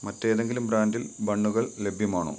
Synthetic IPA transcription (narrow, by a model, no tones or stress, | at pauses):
mɐtːe̞ːðe̞ŋɡilumbraːndilbɐɳːuɣɐɭle̞bʱjɐmaːɳo̰ː